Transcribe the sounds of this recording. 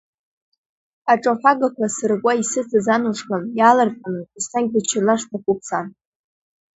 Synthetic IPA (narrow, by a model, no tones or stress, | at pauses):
aʈ͡ʂʼaħʷᶣaɡakʷʰasarkʷʼaisɨt͡sʰazanuʂkamjalarqʼanɨisaŋk̚ʲdat͡ʃʰɪrlaʂtʰakʷʼup̚ʰt͡sʰan